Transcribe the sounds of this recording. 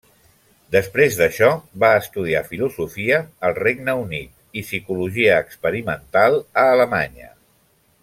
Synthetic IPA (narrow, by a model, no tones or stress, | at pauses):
d̪əspɾezðəʃɔβaəst̪uð̞iafiluzufiəːlˠreɡnəunit̪̚ | isikuluʒiəːkspəɾimənt̪alˠəːləma̰ɲə̰